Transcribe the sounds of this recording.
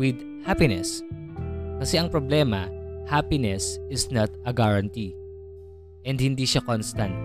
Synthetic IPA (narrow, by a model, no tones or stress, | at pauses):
wɪd̪ | hapɪnɛs | kɐsɛʔɐŋpɾoblɛmɐhapɪnɛsɪsnat̪ɐɡaɹɐnt̪i | ʔɛ̃nd̪̚hɪnd̪iʃakonst̪ɐnt̪̚